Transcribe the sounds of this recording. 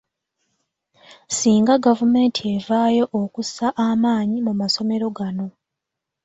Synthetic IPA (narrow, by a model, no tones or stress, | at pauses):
siːŋɡaɡavume̞ːntʰie̞vaːjo̞ʔːkusaʔamaːɲimumaso̞me̞ɾo̞ɡano̞